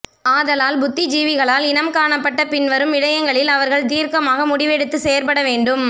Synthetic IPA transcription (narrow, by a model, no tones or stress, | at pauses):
aːðɐlaːlbʊt̪ːɪd͡ʒiːʋɪɣɐɭaːlɪnɐmkaːɳɐpːɐʈːɐpɪnʋɐɾɯmɪɻɐjɐŋɡɐɭɪlɐʋɐɾɣɐɭt̪iːɾkɐmaːɣɐmʊɽɪʋɛɽɯt̪ːɯsɛjɐɾpɐɽɐʋeːɳɖɯm